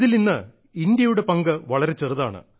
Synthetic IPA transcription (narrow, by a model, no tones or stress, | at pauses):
ðilninːɐ | ind̪jɐjuɽe̞pɐŋɡɐʋɐɭɐɾe̞t͡ɕerɨðaːɳɨ̰